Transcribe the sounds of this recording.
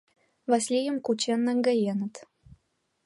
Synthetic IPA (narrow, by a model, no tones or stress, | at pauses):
vɑsʲlʲijəmkut͡ɕenːə̆ŋɡə̆jenə̆t̪